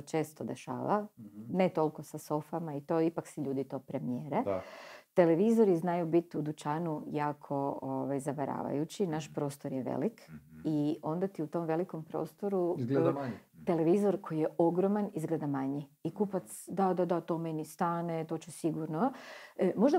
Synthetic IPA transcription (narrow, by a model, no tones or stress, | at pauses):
ot͡ʃe̞ːst̪od̪eʃa̰ːʋa̰ne̞t̪o̞lˠkosaso̞famait̪o̞ːipaksiʎuːd̪it̪o̞ːpɾemijeːɾet̪e̞leʋizo̞ɾiznajubit̪ud̪ut͡ʃaːnujaːkʰo̞oʋajzaʋaɾa̰ːʋa̰jut͡ɕinaʃpɾo̞ːst̪o̞ɾjeʋḛlikio̞nd̪at̪iut̪o̞mʋe̞liko̞mpɾo̰ːst̪o̞ɾuɡt̪e̞leʋizo̞ɾko̞jijeʔoɡɾomanizɡle̞ːd̪amaɲiikupat̪sd̪ad̪ad̪at̪o̞ːme̞nist̪aːnet̪o̞ːt͡ɕesiɡuɾno | mo̞ʒd̪a